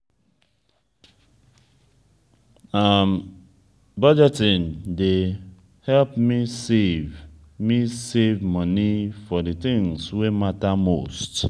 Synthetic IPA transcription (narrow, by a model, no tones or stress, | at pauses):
am | bʌd͡ʒɛtĩnde | hɛlpmisev | misevmʌnifɔdiθĩŋswematamost